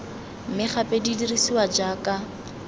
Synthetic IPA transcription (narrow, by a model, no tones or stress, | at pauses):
m̩mɪχapʼedidirisiwad͡ʒaːkʼa